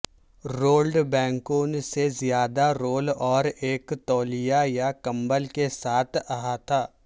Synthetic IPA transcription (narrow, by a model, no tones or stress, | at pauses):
ɾoːlɖbɛ̃ːŋkoːnsezjaːd̪aɾoːlɔːɾeːkt̪ɔːlijajakɐ̃mbəlkesaːt̪ʰɐɦat̪ʰaː